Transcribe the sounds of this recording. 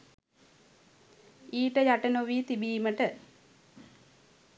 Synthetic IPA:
iːʈəjaʈənoʋiːt̪ibiːməʈə

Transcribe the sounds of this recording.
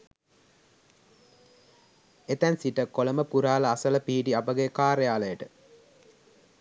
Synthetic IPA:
et̪ɛnsiʈəkoləməpuɾaːləasələpiɦiʈiabəɡekaːɾəjaːləjəʈə

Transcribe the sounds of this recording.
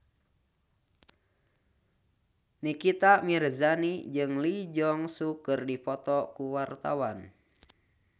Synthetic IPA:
nikit̪amirzanid͡ʒɨŋlid͡ʒɔŋsukɨrdipɔt̪ɔkuwart̪a̰wan

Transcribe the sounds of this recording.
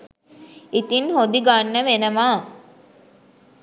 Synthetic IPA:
it̪inɦod̪iɡanːəʋenəmaː

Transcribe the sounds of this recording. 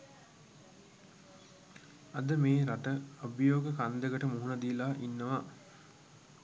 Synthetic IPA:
ɐd̪əmeːɾaʈəəbjoːɡəkand̪əɡəʈəmuɦunad̪iːlaːʔinːəʋa

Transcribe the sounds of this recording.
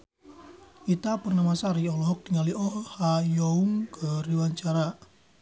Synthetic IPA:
ʔit̪apurnamasaɾiɔlɔɦɔk̚d̪̥iŋaliʔɔhajɔuŋkəriwaɲt͡ʃaɾa

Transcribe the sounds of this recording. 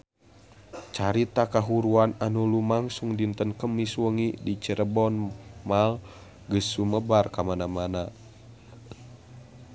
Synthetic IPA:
t͡ʃaɾit̪akaɦuɾuananulumaŋsuŋdint̪ənkəmiswəŋidit͡ʃəɾəbɔnmal | ɡəsːuməbarkamanamana

